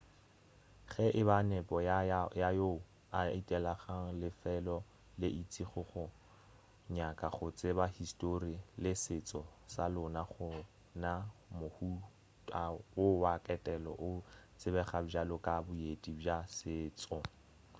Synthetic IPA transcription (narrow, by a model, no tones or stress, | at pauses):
χɛʔɪbanɛpʼɔjajo | aitʼɛlaχaŋ̩lɪfɛlɔ | lɪʔit͡sʼiχʊχʊ | ɲakʼaχʊt͡sʼɪbahistʼorilɪsɪt͡sʼɔsalʊnaχʊ | namʊhu | tʼawʊwakʼɛtʼɛlɔ̰ʔʊt͡sʼɪbɛχabalʊkʼabʊedʼibjasɪːt͡sʼɔ